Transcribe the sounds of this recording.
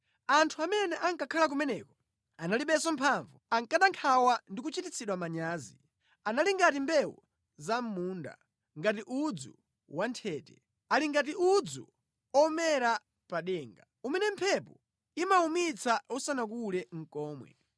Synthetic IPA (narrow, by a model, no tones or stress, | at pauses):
antʰuamɛnɛʔaŋkakʰalak̬umɛnɛkɔ | analiɓɛsɔm̩pʰaɱvuaŋkaɗaŋkʰawandik̬ut͡ʃitit͡sʰiɗwamaɲaːzi | analiŋɡatimbɛwɔ | zam̩muːnda̰ | ŋɡatiʔud͡zṵ | wantʰɛːtɛ | aliŋɡat̬iud͡zṵ | ɔmɛɾa | paɗɛːŋɡa | umɛnɛm̩pʰɛpɔ | imaumit͡sʰausanak̬ulɛŋ̩kɔːmwɛ̰